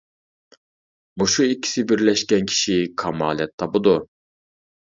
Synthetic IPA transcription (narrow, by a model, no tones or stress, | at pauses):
buʃuikʲʰːi̥sɪbiɾlɛʃkʲɛnkʲʰi̥ʃikʰɑmɑːlˠɛt̪ʰːɑbud̪u